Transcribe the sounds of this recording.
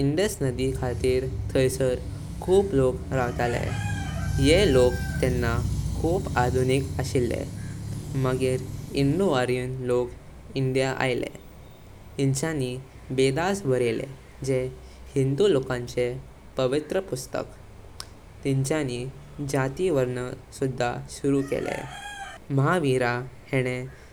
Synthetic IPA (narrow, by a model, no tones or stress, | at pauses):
iɳɖəsnəd̪ikʰat̪iːɾt̪ʰəjsəɾ | kʰuːplokɾaɦt̪alḛ | jelokt̪ɛnːakʰuːpad̪ʱunikəɕilːḛ | məɡiɾind̪uaɾijənlok | iɳɖjaʔa̰jlḛ | t̪iɲt͡ɕjani | bed̪asbʱəɾelḛ | d͡ʑe | hind̪ulokãɲt͡ɕe | pəʋit̪ɾəpust̪ə̰k | t̪iɲt͡ɕjani | d͡ʑat̪iʋəɾɳəsud̪ʱːaɕuɾukḛlḛ | mɦaʋiɾaheɽ̃e